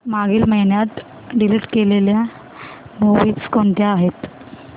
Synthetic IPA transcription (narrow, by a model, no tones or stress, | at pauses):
maɡiːlməɦiɳjat̪ | ɖiliʈkelelja | moʋiːt͡skoɳʈ̪jaːɦet̪